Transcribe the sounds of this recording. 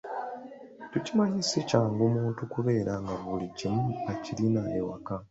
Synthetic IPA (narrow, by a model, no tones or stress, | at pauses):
tucimaɲisecaːŋɡomuːntukuβe̞ːɾaŋɡaβuliɟemuacilinaewaka